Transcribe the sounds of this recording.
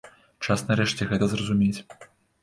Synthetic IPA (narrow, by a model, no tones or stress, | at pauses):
t͡ʂasnɐɾɛʂt͡sʲɛɣɛt̪ɐzrɐzumʲet͡sʲ